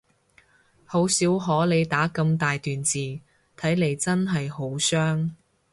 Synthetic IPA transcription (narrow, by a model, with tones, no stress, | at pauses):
ho˨˥wsiː˨˥wɦɔː˨˥le˨˧jt̪aː˨˥kɐ˧mt̪aː˨jt̪yː˨nt͡siː˨ | t̪ʰɐ˨˥jle˨˧jt͡sɐ˥nɦɐ˨jho˨˥wsœː˥ŋ